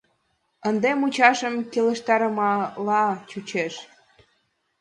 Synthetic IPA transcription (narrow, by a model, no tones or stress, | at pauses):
ənd̪emut͡ɕɑʃəmkeləʃt̪ɑɾəmɑlɑt͡ɕut͡ɕeʃ